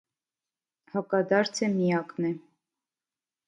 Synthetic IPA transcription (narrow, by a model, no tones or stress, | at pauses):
hɑkɑd̪ɑɾt͡sʰɛmijɑknɛ